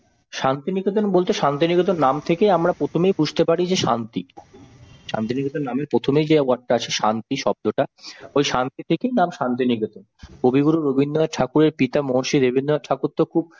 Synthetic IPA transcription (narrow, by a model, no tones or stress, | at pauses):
ʃant̪iniɡot̪onbolt̪eʃant̪̬iniɡot̪̬onnamt̪ʰekejamɾapɾot̪ʰomejpud͡ʑt̪epaɽid͡ʑeʃant̪i | ʃa̰nt̪iniɡot̪onnameɾpɾot̪ʰomejd͡ʑeuaɖ̚ʈaat͡ɕʰeʃant̪iʃɔb̚d̪oʈaojʃant̪it̪ʰekejnamʃant̪iniɡot̪onkobʱiɡuɾuɾobʱinːoeʈʰakuɾeɾpit̪amoɦʃid̪ebʱinːoaʈʰakuɾt̪ːokʰub̚